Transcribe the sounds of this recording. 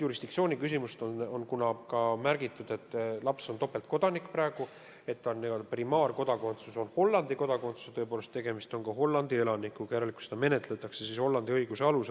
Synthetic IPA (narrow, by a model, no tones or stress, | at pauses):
juɾisd̪̥iksioːnʲikys̬imust̪ononkunɑkɑmæɾɡ̥it̪ːˑud̪̥e̞t̪ːlɑpsont̪o̞pːˑe̞lt̪̚ko̞d̪̥ɑnikːˑpræeɡ̥u | e̞t̪ːɑnːeprimɑːrko̞d̪̥ɑko̞nt̪suso̞nho̞lːɑnd̪iko̞d̪ɑko̞nt̪su̥set̪ɤ̞epoːle̞st̪ːe̞ɡ̥e̞mist̪o̞nkɑɦo̞lːɑnd̪̥ie̞lɑnikːˑukɑɾeliku̥sed̪ɑme̞ne̞t̪ˑle̞t̪ːˑɑksesisho̞lːɑnd̪iɤjɡ̥use̞ɑlus